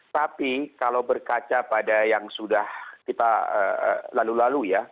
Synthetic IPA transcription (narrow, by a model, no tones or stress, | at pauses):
t̪apikalawbərkat͡ʃapadajaŋsudahkit̪aə̰ə̰lalulaluja